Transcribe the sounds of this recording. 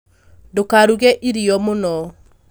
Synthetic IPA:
ndokaɾuɣɛʔiɾiɔmonɔ

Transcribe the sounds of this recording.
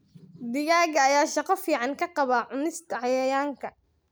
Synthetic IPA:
d̪ɪjaːɣɐːjaːʃɑqɑfiːʕɑŋkʰɐqɑβaːʕʊnɪst̪ʰɐʕɑjɐjaːŋkʰɐ

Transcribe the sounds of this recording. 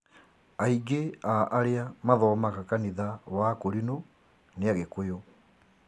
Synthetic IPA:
aiɡeaʔːɾeamaðɔːmaɣakaniðawakoɾino | neaɣekojo

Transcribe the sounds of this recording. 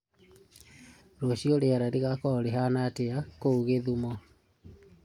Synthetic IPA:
ɾoɕiɔɾeaɾaɾeɣakɔɾeɦanateakouɣeðumɔ

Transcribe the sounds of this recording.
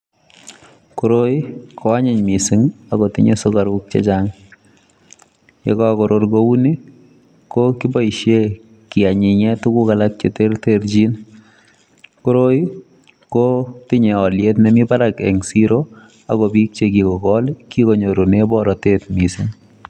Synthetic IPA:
kuɾojkʰoaɲɪɲmisiŋakɔtḭɲesokaɾuk̚t͡ʃḛt͡ʃaŋ | jḛkɔkɔɾorkouni | kokibɔiʃje | kiaɲiɲɛtukukalak̚t͡ʃeterteɾt͡ʃin | kuɾoj | kotiɲeɔljetnemipaɾakḛŋsiɾo | a̰kɔpik̚t͡ʃekikɔkɔlkikoɲoɾonebɔɾɔtetmisiŋ

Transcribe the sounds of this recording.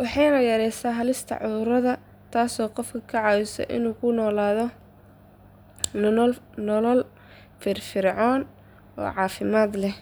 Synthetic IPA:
wɑħɑjnɐjɐɾɛjsaːɦɐlɪst̪ʰɐ̰ʕʊðʊɾɐðɐ | t̪ʰaːsɔːqɔfkʰɐkʰɐʕɑːwɪsɔ̰ʔɪ̰nuːkʰʊnɔːlaːðɔ | n | nɔlɔl | fɪrfɪrʕɔːn | ɔ̰ːʕɑːfɪmaːd̪lɛh

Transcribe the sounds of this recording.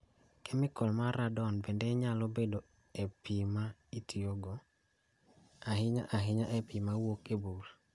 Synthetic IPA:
kɛmɪkɔlmaɾadɔnbendɛɲalobedo | epimaitioɡo | ahɪɲa̰ʔaɦɪɲaʔepimawokebul

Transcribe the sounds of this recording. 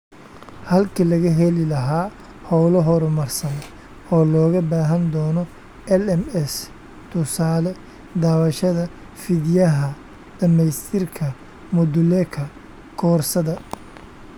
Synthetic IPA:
hɐlkʰiːlɐɣɐɦɛlɪlɐɦaː | hɔwlɔɦɔɾʊmɐrsɐn | ɔːlɔːɣɐbaːɦɐnd̪ɔːnɔ | ɛlɛmɛs | t̪ʰʊsaːlɛ | d̪aːβɐʃɐðɐ | fɪðɪjɐɦɐ | d̪̥ɐmɛjst̪ʰɪrkʰɐ | mʊd̪ʊlɛkʰɐ | kʰɔːrsɐðɐ

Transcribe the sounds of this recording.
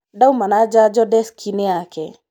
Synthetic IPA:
dawmanad͡ʒad͡ʒɔdɛskʰineakɛ̰

